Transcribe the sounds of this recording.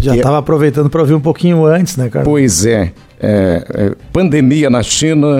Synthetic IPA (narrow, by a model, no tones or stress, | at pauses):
ʒat̪avɐːpɾovejt̪ɐ̃nd̪ʊpɾɐoviɾũpokĩɲʊɐ̃t͡ʃɪsnɛka̰ɾpojzɛ | ɛɛ̰pɐ̃nd̪emiɐnɐʃĩnɐ